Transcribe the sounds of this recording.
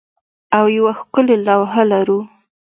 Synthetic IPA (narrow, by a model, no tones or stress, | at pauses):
awjawaxkʊlelɑwɦalaɾu